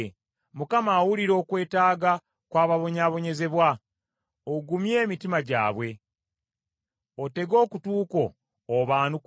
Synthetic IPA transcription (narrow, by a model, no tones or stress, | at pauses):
mukamaːwuliɾo̞ːkwe̞ːtaːɡa | kwaːβaβo̞ɲaːβo̞ɲe̞ze̞βwa | oɡumje̞ːmitimaɟa̰ːβwe̞ | o̞te̞ɡo̞ːkutuːko̞ː | βaːnuk